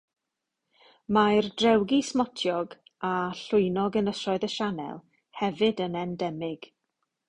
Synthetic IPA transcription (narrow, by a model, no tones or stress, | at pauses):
majrdrɛwɡismɔtʰjɔɡ | aɬʊɨnɔɡənəsɔɨðəʃanɛ̰lˠ | hɛvɨdənɛndɛmɪɡ̥